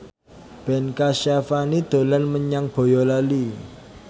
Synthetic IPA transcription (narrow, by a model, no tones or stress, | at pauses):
b̥ɛnkaʃafanid̪̥o̤lanməɲaŋb̥o̤jɔlali